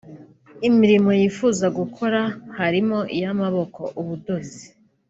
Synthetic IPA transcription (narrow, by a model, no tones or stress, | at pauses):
imiɾimo̞jiːfuːzaɡukʰo̞ɾahaɾimo̞ʔijamaβo̞ko̞ʔuβudo̞zi